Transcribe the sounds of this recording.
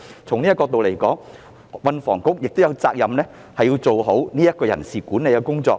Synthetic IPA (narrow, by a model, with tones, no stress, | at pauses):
t͡sʰʊ˨˩ŋniː˥kɔː˧k̚t̪o˨wle˨˩jkɔː˨˥ŋ | wɐ˨˧nfɔː˨˩ŋkʊ˥k̚jɪ˨k̚t̪o˥wjɐ˨˧wt͡saː˧k̚jɐ˨mnɛː˥ | hɐ˨ji˧wt͡so˨˩wɦo˨˥wniː˥jɐ˥t̚kɔː˧jɐ˨˩nsiː˨kuː˨˥ne˨jkɛ˧kʊ˥ŋt͡sɔ̰ː˧k̚